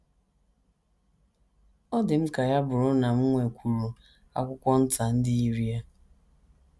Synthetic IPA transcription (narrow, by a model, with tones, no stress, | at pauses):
ɔ˦dɪ˨m̩˦ka˨ja˦bʊ˨ɾʊ˦na˨m̩˦ŋʷe˨kʷʰu˨ɾu˨ | a̰˨kʷʊ˦kʷɔ˦n̩˦ta˨n̩˦dɪ˦i˦ɾi˦a˦